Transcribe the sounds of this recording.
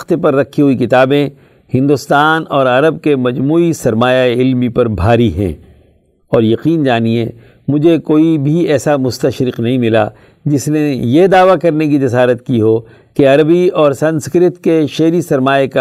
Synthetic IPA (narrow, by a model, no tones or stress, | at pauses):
t̪epɐɾːɐkʰːiɦʊikɪt̪aːbẽ | hɪ̃nd̪ʊst̪aːnɔːɾɐɾəb̚kemɐd͡ʒmuːisɐɾmaːjaeɪlmipɐɾbʱaːɾiɦɛ̰̃ː | ɔːɾjɐqiːnd͡ʒaːniḛ | mʊd͡ʒʱekoːibʱiɛːsamʊst̪ɐʃɾɪqnɐɦĩmɪla̰ | d͡ʒɪsnejed̪aːʋakɐɾnek̬id͡ʒɐsaːɾət̪kiɦoː | keɐɾəbiɔːɾsɐ̃nskɾɪt̪keʃeːɾisɐɾmaːeka